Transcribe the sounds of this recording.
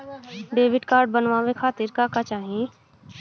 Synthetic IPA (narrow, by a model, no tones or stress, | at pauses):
ɖeːʋɪɖkaːɾɖ̚bɐnʋãʋekʰaːt̪ɪɾkaːkat͡ʃaːɦẽ